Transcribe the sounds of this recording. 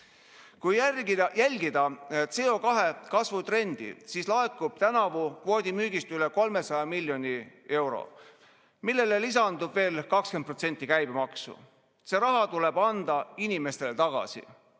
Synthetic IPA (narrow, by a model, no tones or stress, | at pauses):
kujæɡ̪jælʲɡid̪̥ɑese̞ːo̞kɑɦe̞kɑsvut̪re̞nd̪̥ḭsiːslɑekːˑub̥̚t̪ænɑvukvo̞ːd̪ʲimyːɡ̥ist̪yle̞ko̞lme̞sɑjɑmilʲːjo̞nʲie̞wɾo̞̰ | milːe̞lelis̬ɑnd̪ub̥ve̞ːlkɑksken̚pro̞t̪se̞nʲt̪ˑːikæjb̥emɑksṵ | se̞ɾɑɦɑt̪ule̞b̥ɑnd̪ɑinime̞st̪e̞lt̪ɑɡ̥ɑ̰sḭ